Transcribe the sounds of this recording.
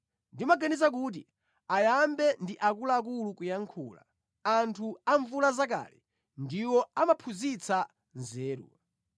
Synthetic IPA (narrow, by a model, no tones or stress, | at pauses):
ndimaɡanizak̬uːt̬ḭ | ajambɛndiʔakulaːk̬ulukujaŋkʰuːla̰ | antʰuaɱvulazaka̰ːlḭ | ndiwɔamapʰuzit͡sʰa | nzɛːɾṵ